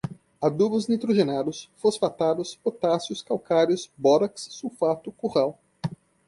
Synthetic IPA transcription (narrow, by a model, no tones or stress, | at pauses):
ad̪ubʊznit̪ɾuʒenad̪ʊsfosfat̪ad̪ʊspot̪asjʊskawkaɾjʊsbɔɾɐksːufat̪ʊkuʁaw